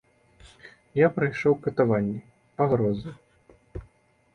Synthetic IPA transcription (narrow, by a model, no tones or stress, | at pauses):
japɾajʂɔwkɐt̪avanʲːɛ | paɣɾɔzɨ